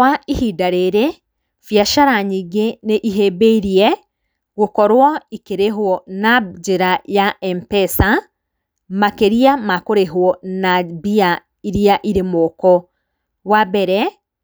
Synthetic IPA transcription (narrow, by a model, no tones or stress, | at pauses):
waihidaɾeɾe | fjaʃaɾaɲiɡeneʔiɦebeiɾiɛ | ɣokɔɾwɔikeɾeɦwɔnad͡ʒeɾajaʔɛmpɛsa | makeɾiamakoɾeɦwɔnabia | iɾiaʔiɾemɔkɔ | wabɛɾɛ